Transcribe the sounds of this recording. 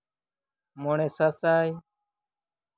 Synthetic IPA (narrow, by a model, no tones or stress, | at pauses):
moːɳẽːsasaːi